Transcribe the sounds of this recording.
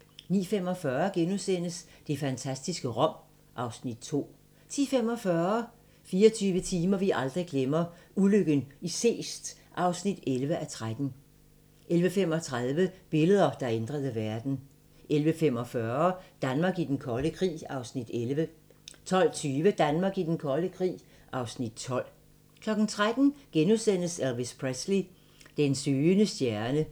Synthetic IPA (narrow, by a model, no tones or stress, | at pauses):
nḭːfem̰ɒ̽fɶːɐɡ̥enusen̰əsd̥e̝fænt͡sʰæsd̥isɡ̥əʁɒ̽m̰ | ʔɑ̈ʊsnid̥̚t͡sʰo̝̰ː | t͡sʰiːfem̰ɒ̽fɶɐ | fiːɒt͡sʰyːʋət͡sʰiːmɐʋiʔɑ̈ld̥ʁiɡ̥lemɐuløɡ̥ənise̝̰ːsd̥ | ʔɑ̈ʊsnid̥elʋəʔæt͡sʰʁad̥n̩ | ʔelʋəfem̰ɒ̽t͡sʰʁað̞ˠʋəb̥e̝ləð̞ˠɐd̥ɑ̈end̥ʁɐð̞ˠəʋæɐd̥n̩ | ʔelʋəfem̰ɒ̽fɶɐɐd̥ænmɑ̈ːɡid̥enkʰɒ̽ləkʰʁḭːɑ̈ʊsnid̥elʋə | t͡sʰɒ̽l̰t͡sʰyːʋəd̥ænmɑ̈ːɡ̥id̥enkʰɒ̽ləkʰʁḭː | ʔɑ̈ʊsnid̥t͡sʰɒ̽l̰ | kʰlɒ̽ɡ̥n̩t͡sʰʁad̥n̩ɡ̥enusen̰əsælʋispʰʁesli | d̥ensøːnəsd̥jæɐnə